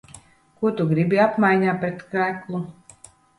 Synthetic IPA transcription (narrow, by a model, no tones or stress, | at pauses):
kuɔt̪uɡɾibʲiapmajɲaːpɾɛt̪kajklˠu